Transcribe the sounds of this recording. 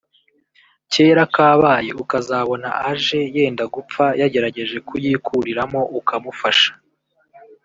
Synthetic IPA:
ce̞ːɾakaːβaːje̞ukazaːβo̞na̰ʔaʒe̞je̞ːndaɡup͡fajaɟe̞ɾaɟe̞ʒe̞kujiːkʰuɾiɾamo̞ʔukʰamufaʃḁ

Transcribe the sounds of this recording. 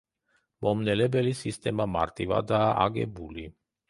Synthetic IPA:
mɔmnɛlɛbɛlisist̪ɛmama̰ɾt̪ʼiva̰d̪aa̰ɡɛ̰buli

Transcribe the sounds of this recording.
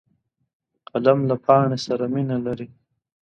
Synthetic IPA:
qalamlapʰɑːɳesaɾaminalaɾi

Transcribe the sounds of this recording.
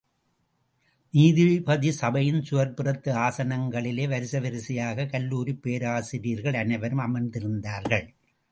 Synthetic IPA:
niːðɪɻpɐðisɐbɐjɪnsʊʋɐɾpɯrɐt̪ːɯaːsɐnɐŋɡɐɭɪleːʋɐɾɪsɐʋɪɾɪsɪjaːɣɐkɐlːuːɾipːeːɾaːsɪɾiːɾɣɐɭɐnɐɪʋɐɾɯmɐmɐnd̪ɪɾɯnd̪aːɾɣɐɭ

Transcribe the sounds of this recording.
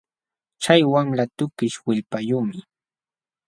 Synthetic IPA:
t͡ʃajwaŋlat̪ʊkɪʃwɪʎpajuːmɪ

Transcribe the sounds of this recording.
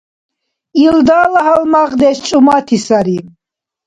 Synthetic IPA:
ild̪aːlaɦalmaʁd̪ɛst͡ʃʼumat̪ʰisaɾi

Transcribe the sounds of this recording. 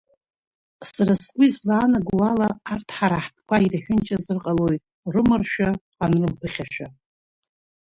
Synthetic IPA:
saɾaskʷʼizlaːnaɡʷwalaːrtʰħaɾaħtʰʼkʷʰairħʷᶣʊnt͡ʃʼazɨrqʼaloj | rɨmɨrʃᶣa | anrɨmpʰɨχʲaʃᶣa

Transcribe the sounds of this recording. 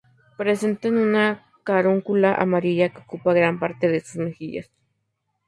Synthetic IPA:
pɾesent̪enuna | kaɾuŋkulaʔa̰maɾiʎakḁkupaɣɾampaɾt̪eðesusmexiʎa̰s

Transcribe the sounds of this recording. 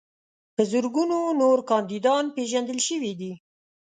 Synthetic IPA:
pəzʊɾɡunonoɾkɑnd̪id̪ɑnpeʒand̪əlʃəwid̪i

